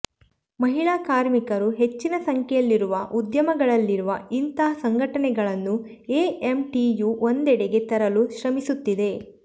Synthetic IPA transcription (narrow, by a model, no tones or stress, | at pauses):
mɐɦiɭaːkaːɾmikɐɾuɦe̞t͡ʃːinɐsɐŋkʰɛjɐlːiɾuʋɐʔud̪jɐmɐɡɐɭɐlːiɾuʋɐint̪ɐɐsɐŋɡʱɐʈɐnɛɡɐɭɐnːu | eːemʈijuʔond̪ɛɽɛɡe̞t̪ɐɾɐluʃɾɐmisut̪ːid̪e̞